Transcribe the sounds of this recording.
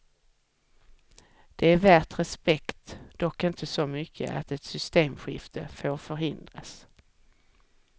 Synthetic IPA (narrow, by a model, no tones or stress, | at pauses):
d̪̥ɛæɾvæːʈɾɛspɛkt̪d̪̥ɔkːɪnt̪ʰəsɔmʏkʰːə̰ʔa̰t̪ɛt̪sʏst̪eːmɧɪft̪ʰə̰foːɾfœɾɦɪnd̪ɾas